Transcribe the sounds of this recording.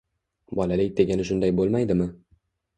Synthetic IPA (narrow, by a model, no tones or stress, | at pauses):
bɒlalɪk̚ʲd̪e̞ɡʲanɪʃ̬ʊnd̪ajbolˠmajd̪ɪmɪ